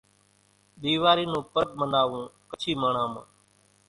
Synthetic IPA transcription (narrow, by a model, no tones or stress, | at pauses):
ɗ̪iːʋaːɾiːnũːpəɾəp̚mənaːʋũːkət͡ʃʰiːməːɳ̤ãːmã̰ː